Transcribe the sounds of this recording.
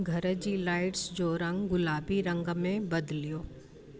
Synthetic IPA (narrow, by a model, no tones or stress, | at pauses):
ɡʱɐɾəd͡ʑiːlaːɪʈsd͡ʑoːɾɐ̃ŋɡɡʊlaːbiɾɐ̃ŋɡmẽbɐd̪lijoː